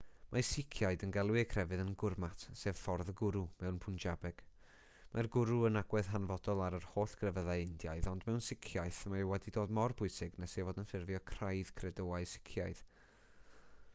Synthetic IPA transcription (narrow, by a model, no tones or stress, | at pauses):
mʔasɪkʰjaɨdənɡɛlˠwɪkʰrɛvɨðənɡʊrmatʰseːv̥fɔrðəɡʊɾumɛwnpʰʊnd͡ʒabɛɡ̥ | marɡʊɾuənaɡ̥wɛð̥ɦanvɔdɔlˠaɾərhoːɬɡ̥rɛvəðajɪndjaɨðɔndmɛwnsɪkʰjajθmawɛdidoːdmɔrbʊɨsɪɡnɛsevoːdənfɪrvjɔkʰrajð̥kʰrɛdowaɨsɪ̥kʰjaɨð̥